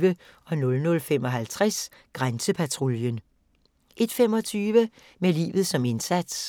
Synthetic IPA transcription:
ʋəɒ̽nɔ̽lnɔ̽lfemɒ̽ɦælt͡sʰʁas | ɡ̥ʁansəpʰæt͡sʰʁoljən | ʔe̝d̥fem̰ɒ̽t͡sʰyːʋə | melḭːʋð̞̩ˠsɒ̽me̝nsæd̥s

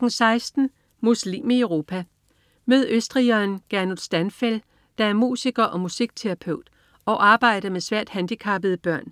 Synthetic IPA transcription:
ɡ̥ŋ̩sɑ̈ɪsd̥n̩ | muslḭːmieʊʁo̝ːpʰæ | møðˠøsd̥ʁiɒnɡ̥æɐnuðˠsd̥ænfel | d̥ɑ̈æɐmṵːsiɡ̥ɐʔɒ̽musiɡ̥̚t͡sʰeʁæpʰøʊ̰d̥ | ɒ̽ʔɑ̈ːb̥ɑ̈ɪ̰ɾ̥ɐmesʋæɐ̰d̥hænd̥ikʰɑ̈b̥əð̞̩ˠəb̥ɶɐ̰n

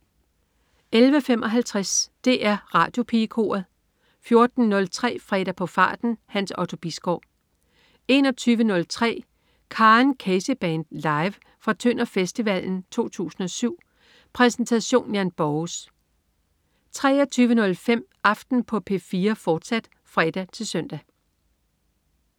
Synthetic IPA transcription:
elʋəfemʔɒ̽ɦælt͡sʰʁasd̥e̝ʔæɐʁɑ̰̈ːd̥jo̝pʰikʰo̝̰ːɐð̩ˠ | fjo̝ɐd̥n̩nɔ̽lt͡sʰʁɛ̰ːfʁɛ̰ɾ̥æpʰɒ̽fɑ̈ːd̥n̩hænsɒ̽ʊt͡sʰo̝b̥isɡ̥ɒ̰ː | e̝nɒ̽t͡sʰyːʋənɔ̽lt͡sʰʁɛ̰ː | kʰɑ̈ːnkʰeseb̥ɛnd̥lɑ̈ɪʋ | fɒt͡sʰønɐfesd̥iʋæl̰n̩t͡sʰo̝̰ːt͡sʰṵːsn̩ɒ̽syʊ̰ | pʰʁɛsn̩t͡sʰæɕo̝̰ːnjænb̥ɒs | t͡sʰʁɛ̰ːɐt͡sʰyːʋənɔ̽lfem̰ | ɑ̈fd̥n̩pʰɒ̽pʰe̝̰fiːɐfɒːd̥sæd̥ | fʁɛd̥æt͡sʰe̝lsœn̰d̥æ

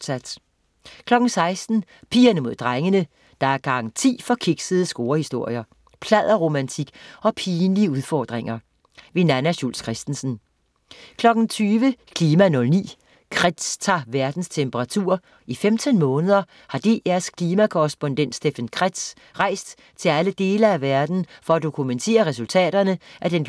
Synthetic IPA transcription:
sæd̥ | kʰlɒ̽ɡ̥n̩sɑ̈ɪsd̥n̩ | pʰḭːɐnəmo̝ð̞̰ˠd̥ʁaŋənə | d̥ɑ̈æɐɡ̥ɑ̈ɡn̩t͡sʰḭːfɒ̽kʰiɡ̥səð̞̩ˠəsɡ̥o̝ːɐhisd̥o̝ɐ̰jɐ | pʰlæð̰ˠɐʁo̝mænt͡sʰiɡ̥ɒ̽pʰiːnliəuðˠfɒ̰ːd̥ʁeŋɐ | ʋe̝nænæɕulskʰʁɛsd̥n̩sn̩ | kʰlɒ̽ɡ̥n̩t͡sʰyːʋəkʰliːmænɔ̽lnḭː | kʰʁɛd̥st͡sʰɑ̈ːʋæɐd̥n̩st͡sʰempʰəʁɑ̈t͡sʰṵɐ̰ | ifemt͡sʰənmɔ̽ːnəð̞ˠɐ | hɑ̈d̥e̝̰ːæɐskʰliːmækʰɔʁɛsb̥o̽nd̥en̰d̥sd̥efænkʰʁad̥s | ʁɑ̈ɪ̰sd̥ | t͡sʰe̝læləd̥e̝ːlɐæʋæɐd̥n̩fɒ̽æd̥o̝kʰument͡sʰe̝̰ːɐʁɛsult͡sʰɛ̰ːɾ̥ɐnəʔæd̥en

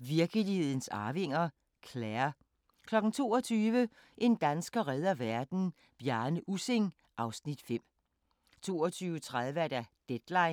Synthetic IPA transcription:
ʋiɐɡ̥əlihe̝ð̰ˠn̩sɑ̈ːʋe̝ŋ̰ɐ | kʰlæːɐ | kʰlɒ̽ɡ̥n̩t͡sʰo̝ːɒt͡sʰyːʋə | ʔe̝nd̥ænsɡ̥ɐʁɛð̞ˠɐʋæɐd̥n̩ | b̥jæɐnəʔuseŋ | ʔɑ̈ʊsnid̥fem̰ | t͡sʰo̝̰ːɐt͡sʰyːʊət͡sʰʁaðˠʋəæd̥æd̥ed̥lɑ̈ɪn

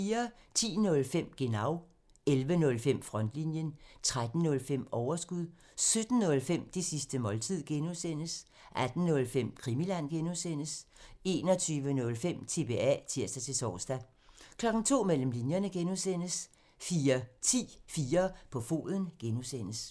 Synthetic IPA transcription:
fiːɐ | t͡sʰḭːnɔ̽lfem̰ɡ̥e̝nɑ̈ʊ | elʋənɔ̽lfem̰fʁɒ̽n̰d̥linjənt͡sʰʁad̥n̩nɔ̽lfem̰ɒʊɐsɡ̥uð̰ˠ | sød̥n̩nɔ̽lfem̰d̥esisd̥əmɒ̽lt͡sʰið̰ˠɡ̥enuðˠsen̰əs | ʔæd̥n̩nɔ̽lfem̰kʰʁimilæn̰ɡ̥enusen̰əse̝ːnɒ̽t͡sʰyːʋənɔ̽lfem̰t͡sʰe̝b̥e̝æ̰t͡sʰiɐ̰sd̥æt͡sʰe̝sɒːsd̥æ | kʰlɒ̽ɡ̥n̩t͡sʰo̝̰ːmel̰m̩linjɐnəɡ̥enuðˠsen̰əs | fiːɐt͡sʰḭːfiːɐpʰɒ̽fo̝̰ːðˠən̩ɡ̥enusen̰əs

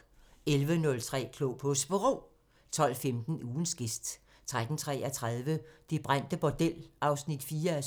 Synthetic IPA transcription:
elʋənɔ̽lt͡sʰʁɛ̰ːkʰlopʰɔsb̥əʁo̝̰ː | t͡sʰɒ̽l̰femd̥n̩uːn̩sɡ̥e̝sd̥ | t͡sʰʁad̥n̩t͡sʰʁɛ̰ːæt͡sʰʁaðˠʋəd̥ib̥ʁan̰d̥əb̥ɒd̥el̰ʔɑ̈ʊsnid̥fiːɐæ

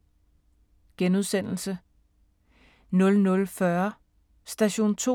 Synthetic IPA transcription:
ɡ̥enuð̞ˠsen̰l̩sə | nɔ̽lnɔ̽lfɶɐ | sd̥æɕo̝̰ːnt͡sʰo̰

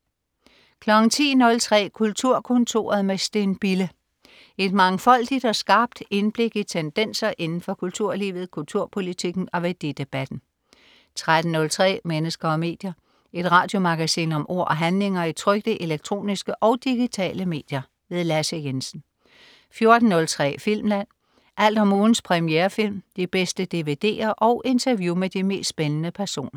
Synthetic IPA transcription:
kʰlɒ̽ɡ̥n̩t͡sʰḭːnɔ̽lt͡sʰʁɛ̰ːkʰult͡sʰuɐkʰɔ̽nt͡sʰo̝̰ːɐð̩ˠmesd̥enb̥ilə | e̝d̥mɑ̈ŋfɒ̽l̰d̥id̥ɒ̽sɡ̥ɑ̈ːb̥d̥e̝nb̥le̝ɡ̥it͡sʰend̥en̰sɐʔe̝nn̩fɒ̽kʰult͡sʰuɐ̰liːʋð̞̩ˠkʰult͡sʰuɐpʰo̝lit͡sʰiɡ̥n̩ɒ̽ʋed̥e̝d̥e̝b̥æd̥n̩ | t͡sʰʁad̥n̩nɔ̽lt͡sʰʁɛ̰ːmenəsɡ̥ɐɒ̽me̝̰ːd̥jɐ | e̝d̥ʁɑ̈ːd̥jo̝mɑ̈ɡ̥æsḭːnɒ̽mʔo̝ɐ̰ʔɒ̽ɦænle̝ŋɐit͡sʰʁœɡ̥̚d̥əʔe̝leɡ̥̚t͡sʰʁo̝̰ːnisɡ̥əʔɒ̽ʊd̥iɡ̥it͡sʰɛ̰ːləme̝̰ːd̥jɐ | ʋe̝ðˠlæsəjensn̩ | fjo̝ɐd̥n̩ːɔ̽lt͡sʰʁɛ̰ːfil̰mlæn̰ | ʔæl̰d̥ɒmuːn̩spʰʁɛmieːɐfil̰md̥ib̥esd̥əd̥e̝ʋe̝d̥e̝̰ːɐʔɒ̽ʊʔe̝nt͡sʰɐʋjumed̥ime̝̰ːsd̥sb̥enənəpʰæɐso̝̰ːnɐ

